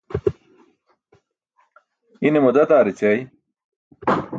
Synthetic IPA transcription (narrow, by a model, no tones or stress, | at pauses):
inemod̪ɐt̪aːɾit͡ɕɐj